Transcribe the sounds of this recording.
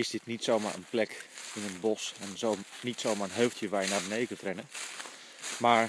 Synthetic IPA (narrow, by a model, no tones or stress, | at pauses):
ɪsdɪtnitsowma̰ɹʔə̰nplɛkɪnənbɔsɛnzonitsowmaːɹənɦøɥftʰjəʋaːɹjənaːbənejkətrɛnə | maːɹ